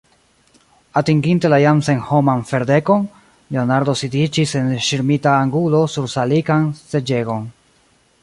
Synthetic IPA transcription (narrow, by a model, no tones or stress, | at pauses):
atiŋɡinte̞lajamse̞nho̞manfe̞ɾde̞ko̞n | le̞onaɾdo̞sidit͡ʃise̞nʃiɾmitaːŋɡulo̞suɾsalikanse̞d͡ʒe̞ɡo̞n